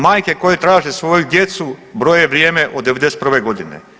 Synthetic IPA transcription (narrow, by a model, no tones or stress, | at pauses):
maːjkeko̞jet̪ɾaːʒesʋojud̪jet̪subɾojeʋɾjeːmeʔod̪ːeʋed̪eset̪pr̩ʋeɡo̞d̪inḛ